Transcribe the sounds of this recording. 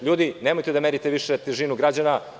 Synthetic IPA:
ʎuːd̪inemojt̪ed̪ameɾit̪eʋiʃet̪eʒinuɡɾad͡ʑana

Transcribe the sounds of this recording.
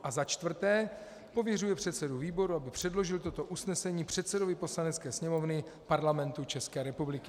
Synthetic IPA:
ʔazat͡ʃt̪vr̩t̪ɛː | po̞vjɛrujɛpr̥ɛt̪sɛduviːbo̞ɾuabɪpr̝̥ɛdlo̞ʒɪlt̪ot̪o̞ʔusnɛsɛɲiːpr̝̥ɛt̪sɛdo̞vɪpo̞slanɛtt͡skɛːsɲɛmo̞vnɪ | paɾlamɛnt̪ut͡ʃɛskɛːɾɛpublɪkɪ̥

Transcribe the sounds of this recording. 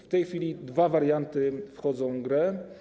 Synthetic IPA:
ft̪ɛjxfʲilʲid̪vavaɾjant̪ɘfxɔd̪zɔ̃w̃ɡɾɛ

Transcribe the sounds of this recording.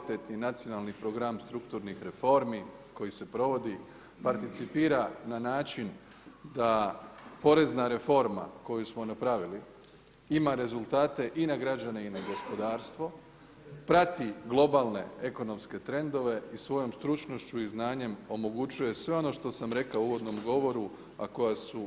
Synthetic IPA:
t̪et̪ninat̪sijo̞nalnipɾo̞ɡɾamst̪ɾukt̪uɾnixɾe̞fo̞ɾmi | ko̞jise̞pɾo̞ʋo̞d̪i | paɾt̪it̪sipiːɾananaːt͡ʃin | d̪apo̞ɾe̞znaɾe̞fo̞ɾma̰ko̞jusmo̞napɾaʋili | imaɾe̞zulˠt̪aːt̪e̞ʔinaɡɾad͡ʒane̞inaɡo̞spo̞d̪aːɾst̪ʋo̞ | pɾat̪iɡlˠo̞balˠne̞̰e̞ko̞no̞mske̞t̪ɾe̞nd̪o̞ʋe̞isʋo̞jo̞mst̪ɾut͡ʃno̞ʃt͡ʃuiznaːɲe̞mo̞mo̞ɡut͡ɕuje̞sʋe̞o̞no̞ʃt̪o̞samɾe̞kauɡo̞d̪no̞mɡo̞ʋo̞ɾu | a̰ko̞jasu

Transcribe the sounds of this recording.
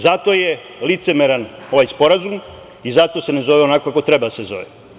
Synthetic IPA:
zat̪o̞je | lit̪semeɾano̞ʋajspo̞ɾazum | izat̪ose̞nezo̞ʋeonakokakot̪ɾebad̪asezo̞̰ʋḛ

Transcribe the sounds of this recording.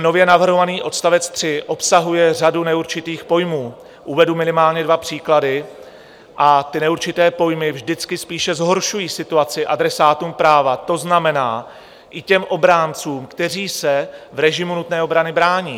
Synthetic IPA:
no̞vjɛnavr̩ɦovaniːʔo̞t̪st̪avɛt͡st̪r̝̥ɪʔo̞psaɦujɛr̝adunɛuɾt͡ʃɪt̪iːxpo̞jmuː | ʔuvɛdumɪnɪmaːlɲɛdvapr̝̥iːkladɪ | ʔat̪ɪnɛuɾt͡ʃɪt̪ɛːpo̞jmɪvʒdɪt͡skɪspiːʃɛzɦo̞ɾʃujiːsɪt̪uat͡sɪʔadɾɛsaːt̪uːmpɾaːvat̪o̞znamɛnaː | ʔɪcɛmʔo̞bɾaːnt͡suːmkt̪ɛr̝iːsɛvɾɛʒɪmunut̪nɛːo̞bɾanɪbɾaːɲiː

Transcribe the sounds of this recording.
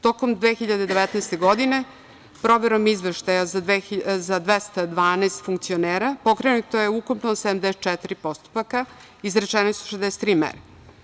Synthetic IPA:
t̪o̞komd̪ʋexiʎad̪ed̪eʋɛt̪nɛjst̪e̞ɡod̪ine̞ | pɾo̞ʋeɾomizʋeʃt̪ajazezad̪ʋest̪ad̪ʋaːnest̪fuŋkt̪sioneːɾapo̞kɾenut̪ojeukompnosed̪amd̪eset̪t͡ʃɛt̪iɾipo̞st̪u̥paka | izɾet͡ʃɛnosuo̥ʃezd̪ɛse̥t̪ɾiːmɛ̰ɾa

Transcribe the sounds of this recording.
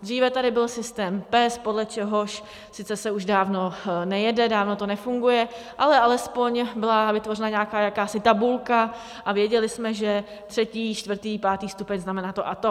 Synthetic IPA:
d̪r̝iːvɛt̪adɪbɪlsɪst̪ɛːmpɛspodlɛt͡ʃɛɦo̞ʃ | sɪt͡sɛsɛuʒdaːvno̞nɛjɛdɛdaːvno̞t̪o̞nɛfuŋɡujɛ | ʔalɛʔalɛspo̞ɲbɪlavɪt̪vo̞rɛnaɲaːkaːjakaːsɪt̪abulka | ʔavjɛɟɛlɪsmɛʒɛ | t̪r̝̥ɛciːt͡ʃt̪vr̩t̪iːpaːt̪iːst̪upɛɲznamɛnaːt̪oʔat̪o

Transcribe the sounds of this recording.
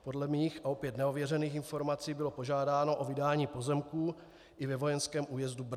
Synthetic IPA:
po̞dlɛmiːxʔao̞pjɛt̪nɛo̞vjɛrɛniːxɪnfo̞ɾmat͡siːbɪlo̞po̞ʒaːdaːno̞ʔovɪdaːɲiːpo̞zɛmkuː | ʔɪvɛvo̞jɛnskɛːmʔuːjɛzdub

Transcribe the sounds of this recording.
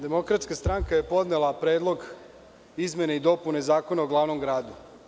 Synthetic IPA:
d̪e̞mo̞kɾat̪skast̪ɾaŋkaje̞po̞d̪nelˠapɾe̞ːd̪lˠo̞ɡ | izme̞neid̪o̞pune̞zaːko̞naoɡlˠaːʋno̞mɡɾaːd̪u

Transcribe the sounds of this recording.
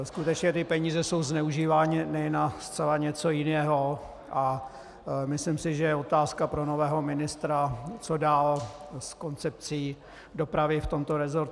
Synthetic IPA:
skut̪ɛt͡ʃɲɛt̪ɪpɛɲiːzɛso̞wznɛuʒiːvaːɲɪnɛjɛnast͡sɛlaɲɛt͡so̞jɪnɛːɦo̞ | ʔa | mɪslɪmsɪʒɛjɛo̞t̪aːskapɾo̞no̞vɛːɦo̞mɪnɪst̪ɾat͡so̞daːlsko̞nt͡sɛp̚t͡siː | do̞pɾavɪft̪o̞mt̪o̞ɾɛzo̞ɾt̪

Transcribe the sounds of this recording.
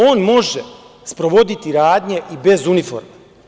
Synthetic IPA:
o̞ːnmo̞ʒe | spɾo̞ʋo̞d̪it̪iɾaːd̪ɲe̞ʔibe̞zunifo̞̰ɾma

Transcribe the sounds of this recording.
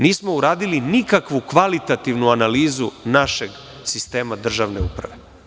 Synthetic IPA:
niːsmouɾaːd̪ilinikakʋukʋalit̪at̪iʋnuanaliːzunaʃeɡ | sist̪e̞ːmad̪r̩ʒaʋneṵpɾaʋe̞

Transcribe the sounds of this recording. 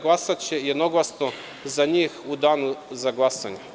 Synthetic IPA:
ɡlˠasat͡ʃɛjɛd̪noɡlˠasno | zaɲixud̪anuzaɡlˠasaɲa

